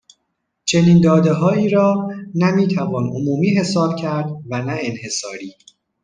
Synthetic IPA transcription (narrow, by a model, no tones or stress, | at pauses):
t͡ʃʰe̞niːnd̪ɒːd̪eɦɒːiːɾɒːnæmiːt̪ʰævɒːno̰muːmiːɦe̞sɒːb̥̚cʰæɾd̪vænæenhe̞sɒːɾiː